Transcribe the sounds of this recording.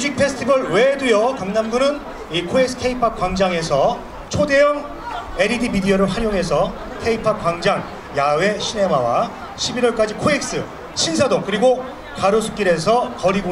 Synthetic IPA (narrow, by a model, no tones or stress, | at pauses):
ud͡ʑik̚pʰe̞sʰtʰibʌɭwe̞dujʌkaŋnamɡunɯn | ikʰoek̚s͈ɯ̥kʰe̞ipʰak͈waŋd͡ʑaŋe̞sʰʌ | t͡ɕʰode̞jʌŋ | e̞ɾidimidiʌɾɯɭɦaɾjoŋɦe̞s̬ʰʌ | kʰe̞ipʰap̚k͈waŋd͡ʑaŋ | jawe̞ɕʰine̞mawa̰ | ɕʰibiɾʌɭk͈ad͡ʑikʰoek̚s͈ɯ | ɕʰinsʰadoŋkɯɾiɡo | kaɾosʰu̥k͈iɾe̞s̬ʰʌkʌɾiɡo